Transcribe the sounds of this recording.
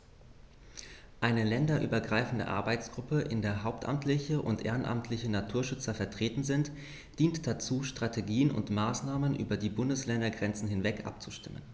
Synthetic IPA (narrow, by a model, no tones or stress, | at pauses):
ʔaɪnəlɛndɐʔy̰ːbɐɡʁaɪfn̩də̰ʔa̰ɐbaɪt͡sɡ̥ʁʊpəʔɪ̰ndeːɐɦaʊp̚tʔa̰mtlɪçəʔʊ̰ntʔḛːʁənʔa̰mtʰlɪçənatʰuːɐʃʏt͡sɐfɛɐtʁ̥eːtn̩zɪnt | d̥iːntd̥at͡suːʃtʁ̥atʰeɡiːənʊ̰ntmaːsnaːmənʔy̰ːbɐdiːbʊndəslɛndɐɡʁɛnt͡sn̩hɪnvɛkʔa̰p̚t͡su̥ʃtɪmə̰n